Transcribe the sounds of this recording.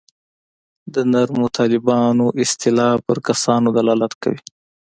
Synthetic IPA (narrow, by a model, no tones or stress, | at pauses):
d̪ənaɾmot̪ʰɑlɪbɑnoʔɪst̪ɪlɑpəɾkasɑnod̪alɑlat̪ka̰wi